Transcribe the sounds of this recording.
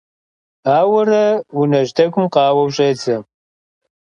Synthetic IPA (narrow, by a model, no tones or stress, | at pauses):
aːwɐrɐwunɐʒdɐɡʷʊmqɑːwɐwɕʼeːt͡sɐm